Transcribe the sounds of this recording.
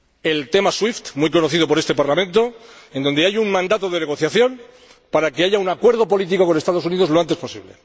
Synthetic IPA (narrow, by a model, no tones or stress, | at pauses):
e̞lt̪e̞maswift̪muijko̞noθiðo̞p̬oɾe̞st̪e̞paɾlamẽ̞nt̪o̞end̪o̞nd̪e̞ajuŋmãnd̪at̪oð̞ene̞ɣo̞θjaθjo̞m | paɾake̞aʝaunakwe̞ɾð̞o̞po̞lit̪̬iko̞ko̞ne̞st̪aðouniðo̞zlo̞ant̪e̞spo̞sḭβle̞̰